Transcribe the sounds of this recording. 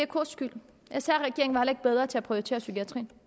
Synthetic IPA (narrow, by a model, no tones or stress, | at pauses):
ekʰosɡ̥yl̰ | æsæ̰ɐ̰ʁɛɡ̥e̝ɐ̰eŋ̩ʋɑhelɐe̝ɡ̥̚b̥eð̞ˠʁɐt͡sʰe̝æpʰʁiot͡sʰe̝̰ːɐsykʰiæt͡sʰʁḭːn